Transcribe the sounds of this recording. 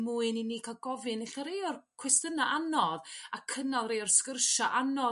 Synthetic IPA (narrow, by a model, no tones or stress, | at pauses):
muːɨniniːkʰalˠɡɔvɨnɪɬaɾejɔrkʰwɛstənaʔanɔðakʰənalˠrejɔrskərʃaʔanɔ